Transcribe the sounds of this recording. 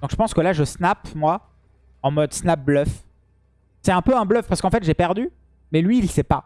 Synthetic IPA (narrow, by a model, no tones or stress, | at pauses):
d̪ɔ̃kʒəpɑ̃skəlaʒəsnapmwa | ɑ̃mɔd̪snap̚blœf | sɛɛ̃pøɛ̃blœfpaʁsəkɑ̃fɛt̪ʒɛpɛʁd̪y | mɛlɥiːlsɛpa